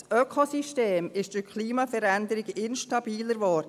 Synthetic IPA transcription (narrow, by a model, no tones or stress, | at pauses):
sʔœkʰosiʃteːmɪʃtɪkʰliːmɑfəɾænd̪əɾɪɡɪnʃtɑb̥iːləɾʋɔːɾd